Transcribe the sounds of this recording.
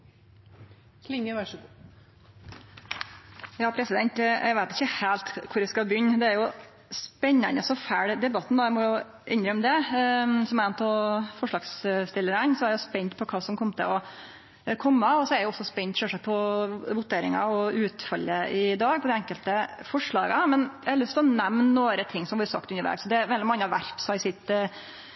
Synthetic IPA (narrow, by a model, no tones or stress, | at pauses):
lɪŋəæʂ | jɑːpʰɾɛsɪd̪ɛnt̪æ̰ɪʋæɪt̪ɪ̥çəhæːlt̪kʰʊɾæskɑbʏnːd̪ɛæɾjʊ | spɛɲːənəsɔfæːɽd̪ɛbɑt̪ːnd̪ɑːæɪmɔjʊ | ʔɛnɾəɔmd̪ɛsɔmænt̪ʰɔfɔʂɭɑːɡsst̪ɪlːəɾənsɔɛɾjʊspɛɲt̪pʰɔkʰɑːsɔmkʰɔmt̪ʰə̰ɔ | kʰɔmːəɔsɔæɾjʊɔsːɔspɛnt̪ʃøːʂɑk̚pʰɔʋʊt̪eːɾɪ̰ŋɑ̰ɔʉːt̪fœlːəɪd̪ɑːɡ̚pʰɔd̪ɛɛŋkəlt̪əfɔʂɭɑːɡəmɛnjæhɑɾlʉst̪ʰɔnɛmnnoːɾət̪ʰɪŋːsɔmʋʊɾəsɑ̰k̚t̪ʉnːəɾʋḛːɡsɔd̪ɛæɾʋɛld̪ɪmɑŋːəhɑɾʋæɾt̪sɔɑɾɪsɪt̪ː